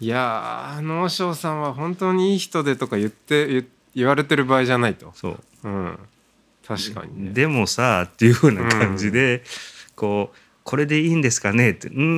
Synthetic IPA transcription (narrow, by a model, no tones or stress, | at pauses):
janoːɕo̞ːsãɰ̃βaɦõ̞nt̪o̞ːɲ̟iiːçi̥t̪o̞d̪e̞t̪o̞kajɯ̟t̪ːejɯ | iβaɾe̞t̪e̞ɾɯ̟baːiʑanait̪o̞so̞̰ː | ɯ̟̃ | t̪ʰaɕi̥ka̰ɲ̟id̪e̞mo̞sat̪ːe̞jɯ̟hɯ̟ːnakʰãɲ̟d͡ʑid̪e̞ko̞ː | kʰo̞ɾe̞d̪e̞iːnd̪e̞sɨ̥kane̞t̪ːeɯ̃